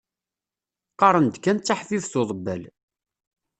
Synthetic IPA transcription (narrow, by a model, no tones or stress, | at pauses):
qɑɾˤənd̪kːænt͡sːaħfivθoðˤəbːæl